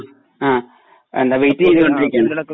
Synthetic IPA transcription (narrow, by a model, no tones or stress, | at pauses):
aː | ḛnd̪aʋejtːiiðɨkoɳɖiɾikʲːaːɳ